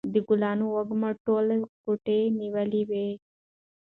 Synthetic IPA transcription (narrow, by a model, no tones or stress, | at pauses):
d̪iɡulaːnuɔɡmɐʈːolɐkuʈeniʋɐliʋeː